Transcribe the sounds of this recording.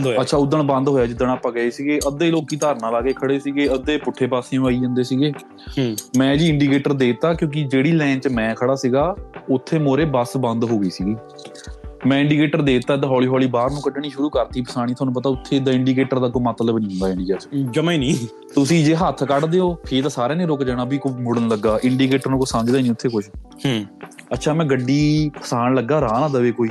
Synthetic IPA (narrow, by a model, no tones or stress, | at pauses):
ətːʃʰaːʊd̪əɳbə̃nd̪ɦoːjaːd͡ʒɪd̪əɳaːpːãːɡəeːsiːɡeːʔəd̪eːloːkːiːt̪aːɾnãːlaːkeːkʰəɽeːsiːɡeːəd̪eːpʊʈʰːeːpaːsẽaːiːd͡ʒə̃ːnd̪eːsiːɡeː | mɛ̃ːd͡ʒiːɪɳɖiːkeːʈəɾd̪eːt̪aːkjõːk̬ɪd͡ʒeːɽiːlɛ̃ːt͡ʃmɛ̃ːkʰəɽaːsiːɡaːʊt̪ʰːeːmoːɾeːbəsbə̃nd̪ɦoːɡəiːsiːɡiː | mɛ̃ːɪ̃ɳɖiːkeːʈəɾd̪eːt̪ːaːt̪ãːɦɔːliːɦɔːliːbaːɾnũːkəɖɳiːʃʊɾuːkəɾt̪ʰiːpəsaːɽ̃iːt̪ʰoaːnũːpət̪aːʊt̪ʰːeːd̪aːɪ̃ɳɖiːkeːʈəɾd̪aːk̬oimət̪ləbnĩːʊ̃ːnd̪aːɪ̃ɳɖiːket͡ʃd͡ʒəmainĩː | t̪ʊsĩːd͡ʒeːɦət̪ʰkəɖd̪eːoːpʰɪːt̪aːsaːɾeːnẽːɾʊkd͡ʒaːɽaːbiːkomʊɽənləɡːaːʔɪɳɖiːk̬eːʈəɾnũːkəsãːnd͡ʒd̪aːiːniːʊt̪ʰːeːkʊʃʰ | ətːʃʰaːmɛ̃ːɡəɖːiːpəsaːɳləɡːaːɾaːnãːd̪əːʋeːkoːiː